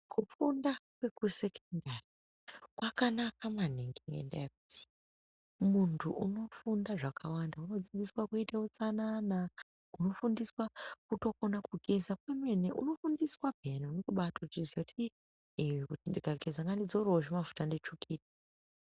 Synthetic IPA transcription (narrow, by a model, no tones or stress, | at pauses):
kʰufundakwe̞kuse̞kondari | kwakanakamaneŋɡeŋḛndḛjakuti̥ | muntʰuʔuno̞fundaʐakʰawandauno̞d͡zid͡ziswakuiteut͡sanana | uno̞fundiswakuto̞konakuɡʱe̞zakwemeneʔṵno̞fundiswabʱeneunotoɓataut͡ʃizjakuti | ekutindikaɡʱe̞zaŋɡandid͡zoɾoʐemavutandet͡ʃukiːti̥